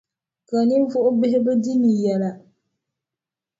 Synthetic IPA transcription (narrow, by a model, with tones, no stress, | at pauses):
ka˨ni˦ɱ̩˦vʊ˦ʔʊ˦bɪ˦ɦɪ˦bɨ˦di˦ni˨jɛ˨la˨